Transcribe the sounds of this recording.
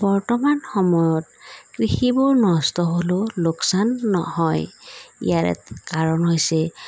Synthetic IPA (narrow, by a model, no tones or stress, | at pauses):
bɔɹtɔmanxɔmɔjɔtkɹixibɔɹnɔstɔɦololoksanːɔ̰hɔjḭjaɹɛ̰kaɹɔnɦojsɛ